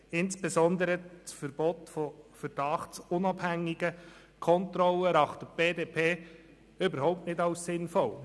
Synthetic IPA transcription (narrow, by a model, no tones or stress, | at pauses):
ɪnsb̥ezɔnd̪əɾət͡sfəɾb̥ɔtfɔfərd̥ɑχt͡sʊnɑbhæŋːiɡə | kʰɔntrɔləɾɑχt̪əb̥eːdeːpʰeː | ʏbəɾɦɔʊptnɪtɑʊssɪnfɔl